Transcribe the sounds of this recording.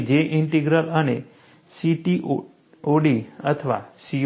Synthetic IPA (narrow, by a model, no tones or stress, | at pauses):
d͡ʒeʔiɳʈeɡɾələne | siʈiʔ | oɽiət̪ʰəʋa̰si